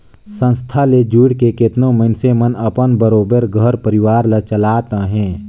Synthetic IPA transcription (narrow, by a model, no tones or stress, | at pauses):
sə̃nst̪ʰaled͡ʒuːɽkekɪt̪nõməɪnsemənəpənbəɾoːbəɾɡʱəɾpəɾɪwaːɾlət͡ʃəlaːt̪aɦɛ̃ː